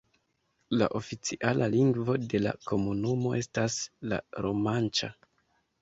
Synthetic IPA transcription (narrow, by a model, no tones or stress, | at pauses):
laʔo̞fit͡siʔalʔaliŋɡvo̞de̞la̰ko̞munumo̞e̞stasla̰ɾo̞mant͡ʃa